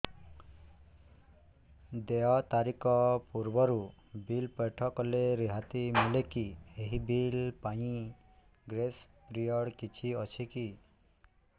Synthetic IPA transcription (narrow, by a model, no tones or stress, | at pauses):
d̪eɔt̪aɾikɔpuɾbɔɾu | bilpɔjʈʰɔkɔleɾiɦat̪imilekieɦibilpaj̃ĩ | ɡɾes | pɾijɔɽkit͡ʃʰiɔt͡ʃʰiki